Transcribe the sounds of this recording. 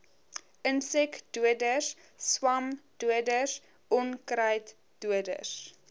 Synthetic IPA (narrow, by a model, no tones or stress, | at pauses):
ʔənsɛkd̥uədəs | swɐmd̥uədəs | ʔɔnkɾɐjt | d̥uədə̰s